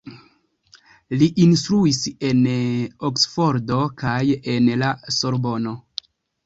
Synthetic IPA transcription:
liʔinst̪ɾuise̞noksfo̞ɾdo̞kaje̞nlaso̞ɾbo̞no̞

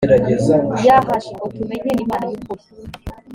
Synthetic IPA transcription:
eɾaɟezajakaʃiotumeɲenimaːnajikuɾi

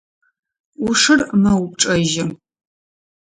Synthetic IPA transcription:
ʊʂɨrmɐwʊp̚ʈ͡ʂʼɐʒɪ

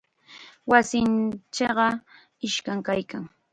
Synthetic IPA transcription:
wasɪnt͡ʃɑɢɑ | ɪʃkaŋkajkaŋ

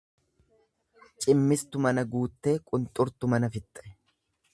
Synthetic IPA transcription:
t͡ʃʼɪmːɪst̪ʊmɐnɐɡuːt̪ːe̞ːkʼʊnt̪ʼʊɾt̪ʊmɐnɐfɪt̪ʼːɐʔɛ

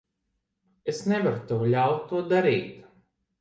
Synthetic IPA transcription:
esnʲɛvaɾt̪ewlʲawt̪ːuɔd̪aɾiːt̪

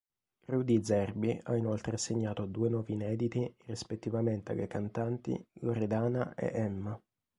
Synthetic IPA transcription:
rud̪id̪zɛrbia̰inolt̪ɾeaseɲːaːt̪od̪uːenwɔːvinɛːd̪it̪irispet̪ːivament̪ea̰lːekant̪ant̪ḭloɾed̪aːnaḛʔɛmːa

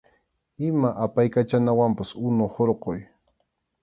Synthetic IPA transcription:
ɪmaʔapajkat͡ʃanawampasʊnohoɾqoj

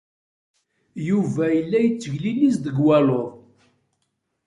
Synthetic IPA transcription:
juvæjəlːæjət͡sːəʝlilisd̪əɡwæloðˤ

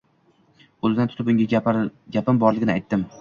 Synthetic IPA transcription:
olɪd̪ant̪ʰʊ̥t̪ɪpʊŋɡʲaɡʲapɪmbɒɾlɪɡʲɪnɪajt̪ːɪm

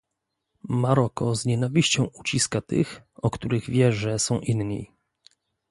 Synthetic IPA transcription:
maɾɔkɔzɲɛnavʲiɕt͡ɕɔ̃w̃ut͡ɕiskat̪ɘ̰xɔkt̪uɾɘɣvʲjɛʐɛsɔ̃w̃ʔinɲḭ

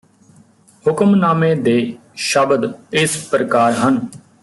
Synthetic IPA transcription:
hʊkəmnaːmẽːd̪eː | ʃəbd̪ɪspɾəkaːɾɦən

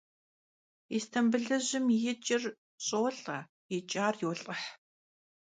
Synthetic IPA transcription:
istʰɐmbɨɮɐʑɪmjɪt͡ʃʼɪr | ɕʼowɬʼɐ | jɪt͡ʃʼaːrjowɬʼɐħ

